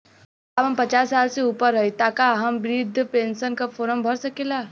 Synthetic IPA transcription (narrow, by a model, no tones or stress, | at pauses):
aːbɦɐmpɐt͡ʃaːsːaːlseuːpəɾːɐɦit̪aːkaɦɐmbɾiːd̪ʱpẽːnsənkafʰoːɾəmbʱɐɾsɐkeːlaː